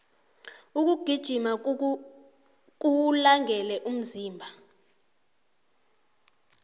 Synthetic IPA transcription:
uk̬uɡ̥ʱid̥ʒ̥ʱima | k̬ʼulaŋʱɛlɛʔum̩ziːmbʱa

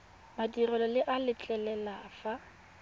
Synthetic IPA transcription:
madirɔlɔlɪʔalɪt͡ɬʼɛlɛlafa

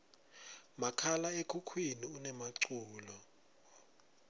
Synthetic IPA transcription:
makʰalaekʰukʰwiniunɛmaǀuːlɔ

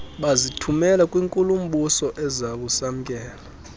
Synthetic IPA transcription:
ɓazitʰumɛlakʼwiŋkʼulum̩ɓusɔʔɛzaɓusam̩kʼɛːla

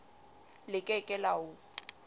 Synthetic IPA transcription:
lɪkʼɛkʼɛlaʊ

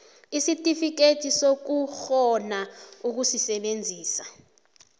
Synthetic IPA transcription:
isitʼifik̬etʰisok̬uxɔnauk̬usisɛɓend͡zʱiːsa̰

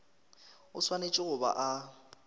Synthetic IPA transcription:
ʊswanet͡ʃʼɪɣʊba̰ʔa

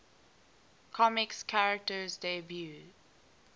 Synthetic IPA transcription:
kʰɔmɪkskʰaɹək̚təzdebju

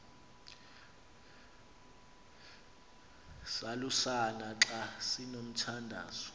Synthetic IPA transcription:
salusanaǁasinom̩tʰandʱa̰ːzɔ

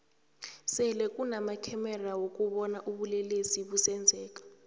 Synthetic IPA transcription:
sɛlɛkʼunamakʰɛmɛrawok̬ʼuɓɔnaʔuɓulɛlesiɓusɛnd͡zʱɛːk̬ʼḁ

